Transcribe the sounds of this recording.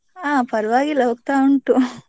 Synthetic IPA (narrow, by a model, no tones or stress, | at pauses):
aːpɐɾʋaːɡiloʋk̚t̪aːuɳʈu